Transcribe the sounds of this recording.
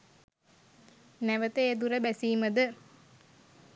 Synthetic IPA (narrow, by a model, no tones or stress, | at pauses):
næʋət̪əed̪uɾəbæsiːməd̪ə